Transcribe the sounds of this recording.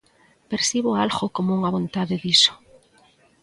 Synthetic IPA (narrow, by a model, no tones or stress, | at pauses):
peɾsiβ̞oalɣokomouŋaβ̞õnt̪aðeðiso̥